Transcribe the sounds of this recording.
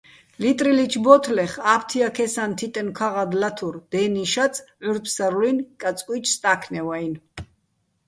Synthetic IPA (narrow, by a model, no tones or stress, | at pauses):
lit̪ʼɾilit͡ʃʰbɔt̪ʰlɛχapʰt̪ʰiakʰɛsant̪ʰit̪ʼɛnkʰaʁad̪lat̪ʰuɾd̪̥ɛniʃat̪t͡sʰʼʕuɾpʰsaɾulinkʼat͡sʼkʼwit͡ʃʰst̪ʼakʰnɛwain